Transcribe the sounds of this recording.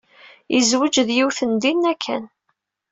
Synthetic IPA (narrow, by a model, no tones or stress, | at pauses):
ḭzwəd͡ʒðjiwθənd̪inːækʰːæ̰n